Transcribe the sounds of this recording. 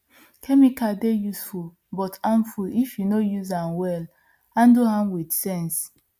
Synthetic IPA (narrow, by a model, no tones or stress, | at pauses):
kʰɛmikadejusful | bɔtãnfulifjunojuzãnwɛl | ãnduhãmwidsɛ̃ns